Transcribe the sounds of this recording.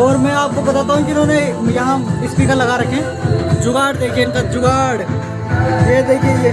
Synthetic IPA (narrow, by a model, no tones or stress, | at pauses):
ɔːɾmɛ̃aːp̚kobɐt̪at̪aɦũkiʊnɦõnejɐɦãɪspiːkəɾlɐɡaɾɐkʰẽ | d͡ʒʊɡaːɽd̪eːkʰienk̪ɐd͡ʒʊɡaːɽ | jed̪eːkʰiej